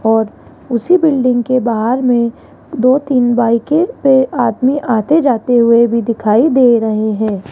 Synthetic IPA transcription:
ɔːɾ | ʊsibɪlɖɪ̃ŋɡkebaːɦəɾmẽ | d̪oːt̪iːnbaːɪkepeaːd̪miʔaːt̪ed͡ʒaːt̪eɦʊebʱid̪ɪkʰaːid̪eːɾɐɦeɦɛ̃ː

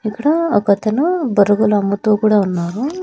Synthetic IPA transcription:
ikːɐɽɐɔkɐt̪ɐnɐbɐɾɐɡulɐɐmːɐt̪oːkuːɽaːunːaːɾu

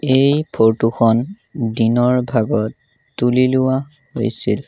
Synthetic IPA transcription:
ejpʰoɹtuxʰɔn | dinɔɹbʱaɡɔtː | ulilʊwa | ho̰jsḭl

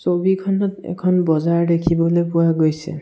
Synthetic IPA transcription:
sobikʰɔnɔtɛ̰kʰɔnbɔzaɹdekʰibɔlojpʊwaɡojsɛ̰

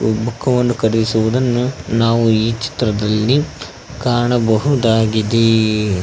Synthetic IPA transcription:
bukʰːɐʋɐnːukɐɾd̪isuʋud̪ɐnːunaːʋuiːt͡ʃi̥t̪ɾɐd̪ɐlːi | kaːɳɐbɐɦud̪aːɡid̪e

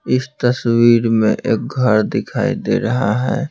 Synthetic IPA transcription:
ɪst̪əswiːɾmḛ̃ʔeːk̚ɡʱəɾd̪ɪkʰaːḭd̪ḛːɾɐɦaɦɛ̰ː

